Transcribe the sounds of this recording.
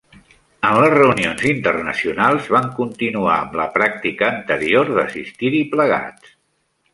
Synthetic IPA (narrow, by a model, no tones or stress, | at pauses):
ənləzrəunionzint̪ərnə̰siunalˠzβaŋkunt̪inua̰əmləpɾak̚t̪ikəːnt̪əɾioɾðəsist̪iɾipləɣ̞a̰t̪